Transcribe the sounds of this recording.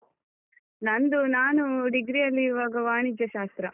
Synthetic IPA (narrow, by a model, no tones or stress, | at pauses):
nɐnd̪unaːnuɖiɡɾijɐlːiʋaːɡɐʋaːɳid͡ʒːɐʃaːst̪ɾɐ